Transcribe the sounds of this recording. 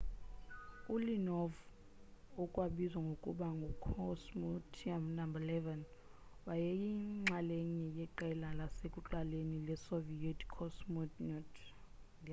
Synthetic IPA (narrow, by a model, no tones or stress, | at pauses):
ulinɔv | ɔkʼwaɓizwaŋɡʱokʼṵɓaŋɡʱukʰɔsmɔtʰamnambalɛvɛn | wajɛjiŋ͡ǁaleɲijɛǃɛlalasekʼuǁalenilɛsovijɛtʰkʰɔsmɔtʰnɔt | ŋ